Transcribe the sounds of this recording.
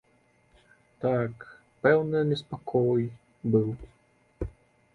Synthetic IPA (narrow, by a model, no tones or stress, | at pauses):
t̪ak | pɛwnɨnʲɛspakʰɔj | bɨw